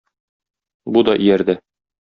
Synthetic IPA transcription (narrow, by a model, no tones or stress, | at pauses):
bud̪ɒʔijæɾd̪ɘ